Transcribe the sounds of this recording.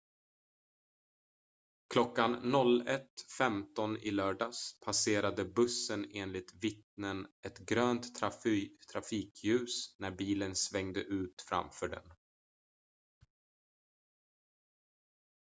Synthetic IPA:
kʰlɔkːanːɔlɛt̪fɛmt̪ɔnɪlœːɖɑːspʰaseːɾad̪əbɵsːəneːnlɪt̪vɪt̪̚nənɛt̪ɡɾøːnt̪ | t̪ʰːɾafiːkʰjʉ̟ːsnæɾbiːlənsvɛŋd̪əʔʉ̟ːt̪fɾa̰mfœːɖɛ̰n

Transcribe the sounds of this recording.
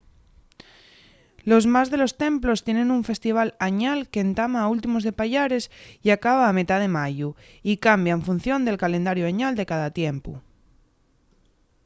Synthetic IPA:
lo̞zmazðe̞lo̞st̪ẽ̞mplo̞st̪je̞ne̞nuɱfe̞st̪iβ̞alaɲalkeːnt̪amaːult̪̬imo̞zðe̞paʎaɾe̞siakaβ̞aːme̞t̪aðe̞maʝu | ikambjaeɱfun̟θjo̞nd̪e̞lkale̞nd̪aɾjoaɲald̪e̞kaðat̪je̞mpṵ

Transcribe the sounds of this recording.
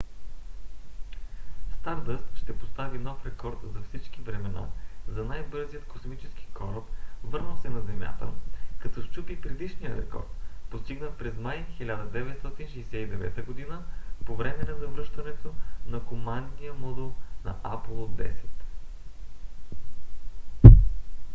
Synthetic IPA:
st̪aɾd̪əsʃt̪ɛpost̪avimnɔfɾɛkɔɾt̪zɐfsit͡ʃkivɾɛmɛna̰zɐnajbɤɾzijət̪kosmit͡ʃɛski̥kʰɔɾəp̪vɤɾnəsɛnɐzɛmʲja̰t̪ə̰kɐt̪ɔst͡ʃupipɾɛd̪iʃnijəɾɛ̰kɔ̰ɾt̪post̪iɡnəpɾɛzmajxilʲad̪əd̪ɛvɛt̪st̪ɔt̪inʃɛjsɛid̪ɛvɛ̰t̪əɡod̪inəpovɾɛmɛnɐzɐvɾɤʃt̪ɐnɛt̪onɐkomand̪nijəmɔd̪ɛlˠnɐ̰ʔapəlˠod̪ːɛ̰sɛ̥t̪

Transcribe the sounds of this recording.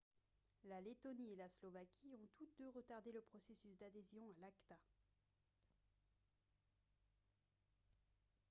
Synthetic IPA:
lalet̪ɔnielaslɔvakʲʰiɔ̃t̪ut̪d̪øʁət̪aʁd̪eləpχɔsesysd̪ad̪ezjɔ̃alakt̪a

